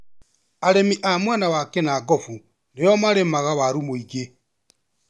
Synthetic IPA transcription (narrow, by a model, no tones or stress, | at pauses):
aɾemiʔamwanawakɛnaɡɔfu | nejɔmaɾemaɣawaɾumoiɡe